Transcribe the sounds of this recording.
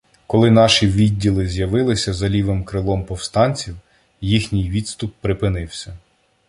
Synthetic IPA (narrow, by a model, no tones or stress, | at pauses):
kɔlˠɪnɑʃiʋʲidʲːilˠɪzʲjɐʋɪlˠɪsʲɐzɐlʲiʋemkɾɪlˠɔmpɔwst̪ɑnʲt͡sʲiw | jixnʲɪjʋʲid̪st̪ʊpːɾɪpɪnɪwsʲɐ